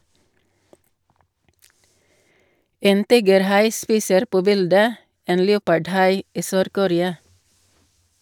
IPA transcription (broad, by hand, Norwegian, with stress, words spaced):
ˈeːn ˈtiːɡəɾˌhɑɪ ˈspiːsəɾ ˈpoː ˈbɪldə ˈeːn ˈleːʊpɑɖˌhɑɪ ˈiː ˈsøːɾkʊˌɾeːɑ